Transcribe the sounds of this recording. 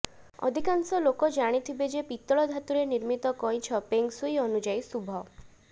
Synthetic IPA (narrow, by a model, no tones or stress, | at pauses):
ɔ̰d̪ʱikansɔlokɔd͡ʒaɽ̃it̪ʰibed͡ʒepit̪ːɔɭɔd̪ʱat̪uɾeniɾmit̪ɔkɔj̃t͡ʃʰɔpeŋksujɔnud͡ʒajsubʱɔ